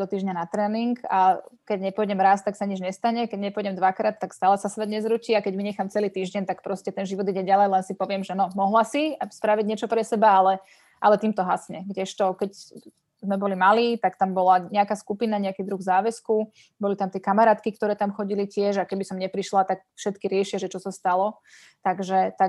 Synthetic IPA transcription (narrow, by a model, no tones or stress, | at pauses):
d̥̪ɔt̪iːʒɲanat̪ɾɛːniŋɡakɛɟɲɛpɔjɟɛmɾaːst̪ːaksaɲid͡ʒɲɛst̪aɲɛkɛɟɲɛpɔjɟɛmd̪ʋakɾaːt̪ːakst̪aːlɛsasʋɛd̪ɲɛzɾuciːakɛɟmiɲɛxaːmt͡sɛliːt̪iːʒɟɛnt̪akpɾɔscɛt̪ɛnʒiʋɔd̪iɟɛɟalɛjlɛnsipɔʋɪɛmʒɛnɔmɔɦlasispɾaʋiɟɲɪɛt͡ʃɔpɾɛsɛbaalɛ | ʔa̰lɛt̪iːmt̪ɔɦasɲɛɡɟɛʃt̪ɔkɛc | zmɛbɔlimaliːt̪akt̪ambɔlaɲɛakaːskupinaɲɛakiːd̪ɾuɣzaːʋɛsku | bɔlit̪amt̪ɪɛkamaɾaːt̪kikt̪ɔɾɛːt̪amxɔɟilicɪɛʒakɛbisɔmɲɛpɾiʃlat̪ak̚fʃɛt̪kiɾɪɛʃiaʒɛt͡ʃɔsast̪alɔ | t̪aɡʒɛt̪a